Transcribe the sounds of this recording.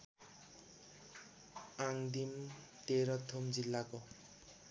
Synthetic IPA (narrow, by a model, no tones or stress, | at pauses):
aŋd̪im | t̪eɾʌt̪ʰːomd͡zilːako